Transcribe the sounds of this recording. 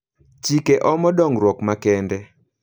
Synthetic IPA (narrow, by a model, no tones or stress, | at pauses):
t͡ʃikeʔɔmɔdɔŋɾwɔkmakɛndɛ